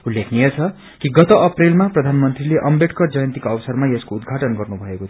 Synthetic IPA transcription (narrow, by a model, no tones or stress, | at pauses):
ulːekʰnijʌt͡sʰʌ | kiɡʌt̪ʌʔʌprelmaprʌd̪ʱanmʌnt̪rileʔʌmbʱeʈkʌrd͡zʌjʌnt̪ikʌwʌsʌrmajeskoud̪ɡʱaʈʌnɡʌrnubʱʌekot̪ʰ